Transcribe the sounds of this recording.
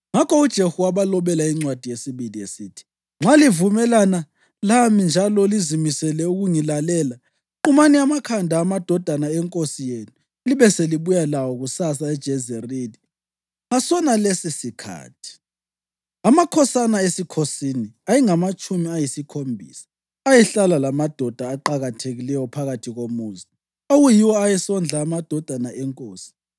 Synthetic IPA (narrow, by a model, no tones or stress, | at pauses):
ŋakʰɔud̥ʒ̥ʱehuwaβalɔβɛlaiŋ͡ǀwad̥ʱijesiβiliesitʰi̥ | ŋ͡ǁʱalivumɛlana | lamind͡ʒʱalɔlizimisɛlɛuɣuŋilalɛːla | ǃumaniamakʰandʱaːmad̥ʱɔd̥ʱanaɛŋkʼosijenu | liβɛseliβujalawɔɣusasaɛd̥ʒ̥ʱɛzeriːli | ŋasɔnalesisikʰa̰ːtʰi̥ | amakʰɔsanaesikʰosiniajiŋamat͡ʃʼumiajisikʰombʱḭːsḁ | ajɛɬalalamad̥ʱɔd̥ʱaːǃaɣatʰeɣilɛjɔpʰaɣatʰiɣomuːzi | oɣujiwɔajɛsɔnd͡ɮʱaːmad̥ʱɔd̥ʱanaʔɛŋkʼoːsi̥